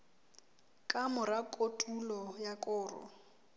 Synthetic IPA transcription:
kʼamʊɾakʼotʼulɔjakʼʊːrɔ̰

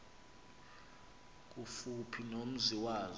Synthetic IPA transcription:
k̬ʼufupʰinom̩ziwaːz

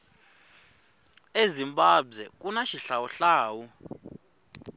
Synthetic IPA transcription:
ezimbʼabwɛk̬ʼunaʃiɬawuɬaːwu

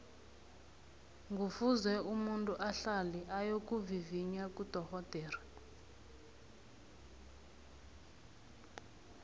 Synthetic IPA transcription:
ŋɡufuzwɛumuntʼuʔaɬaliʔajokuviviɲakudʱɔhɔd̥ʱɛːra

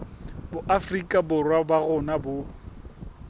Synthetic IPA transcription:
bʊʔafrikʼabʊrwabaɣʊnabʊ

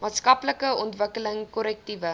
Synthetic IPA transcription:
mɑːtskɐpləkəɔntvəkələŋkɔɾɛk̚tivə

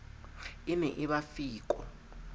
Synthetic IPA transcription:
inɛʔiβafiːkʼɔ̰

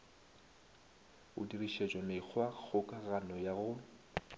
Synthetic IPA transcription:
ʊdiriʃed͡ʒʼɔmɪk͡xʰwaɣʊkʼaɣanɔjaɣʊ

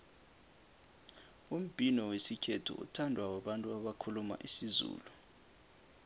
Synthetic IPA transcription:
um̩b̥ʱinɔwesikʰetʰṵʔṵtʰandʱwawaɓantʼuaɓakʰuluma̰ʔisizṵːlu

